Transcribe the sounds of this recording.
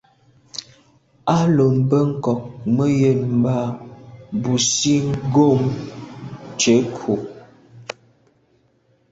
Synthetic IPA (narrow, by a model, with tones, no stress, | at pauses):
a˦lo˨mbə˦ŋ̩˦˨kɔ˨k̚mə˦je˦˨m̩˨ba˦ | bu˨si˦ŋ˦ɡo˦˨m | t͡ʃe˨˦kʰu˨